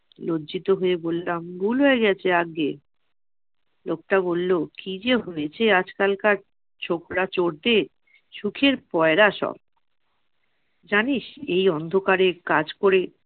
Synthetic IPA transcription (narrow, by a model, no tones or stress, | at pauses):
lodd͡ʑit̪oɦoebolːamɡuloeɡɛt͡ɕʰeaɡe | lok̚ʈabolːokid͡ʑeɦojet͡ɕʰead͡ʑkalkaɾ | t͡ɕʰokɾat͡ɕoɾd̪e | ʃukʰeɾpɔeɾaʃɔ̰b̚ | d͡ʑaniʃejɔnd̪ʱokaɾekad͡ʑkoɾe